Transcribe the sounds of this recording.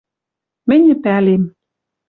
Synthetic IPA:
mɘ̆nʲɘ̆pælem

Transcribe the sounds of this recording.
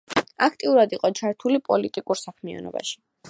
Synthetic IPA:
akʰt̪ʼiuɾad̪iqʼɔt͡ʃʰaɾt̪ʰulipʼɔlit̪ʼikʼuɾsakʰmia̰nɔ̰ba̰ʃi̥

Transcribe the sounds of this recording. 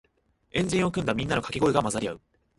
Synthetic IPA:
ẽ̞ɲ̟d͡ʑĩɰ̃o̞kɯ̟̃nd̪amʲĩnːano̞kḁkʲiɡo̞iɡamazaɾʲia̰ɯ̟

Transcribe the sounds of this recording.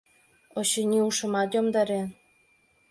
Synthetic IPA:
oɕenʲiuʃə̆mɑt̪jomd̪ɑɾe

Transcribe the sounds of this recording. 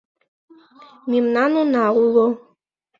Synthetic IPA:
mimnanunaulo

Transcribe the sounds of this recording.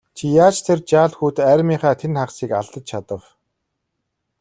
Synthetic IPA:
t͡ɕʰijaːt͡ɕt̪ʰert͡ɕaːɮxuːt̪æːɾʲmiːχaːt̪ʰenχaχsiːka̰ɮt̪ə̆t͡ɕt͡ɕʰat̪ə̆w

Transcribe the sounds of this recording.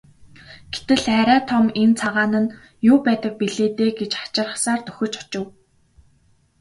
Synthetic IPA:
ɡ̥et̪ɘ̆ɮχæɾʲæːt̪ʰɔment͡sʰaʁaːnə̆n | jʊːpæːt̪ə̆k̚piɮeːt̪eːɡet͡ɕχḁt͡ɕɪ̆rə̆χsaːrt̪ɵ̥xʲɵ̆t͡ɕɔ̥t͡ɕɪ̆w

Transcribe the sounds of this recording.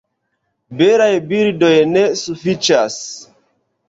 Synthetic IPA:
beɾajbiɾdo̞jne̞sufit͡ʃas

